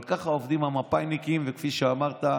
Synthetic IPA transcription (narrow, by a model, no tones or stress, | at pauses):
lkaχaovd̪imamapajnikimvekfiʃeamaʁt̪a